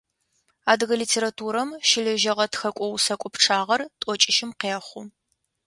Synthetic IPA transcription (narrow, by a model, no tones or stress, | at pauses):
aːdɨɣɐliːtʰeːɾatʰuːɾɐmʃɪɮɐʒɐʁɐtxɐkʷʼɔwsɐkʷʼɔpʈ͡ʂʰaːʁɐrtʼɔt͡ʃʼɪʃɪmqeːχʷʊ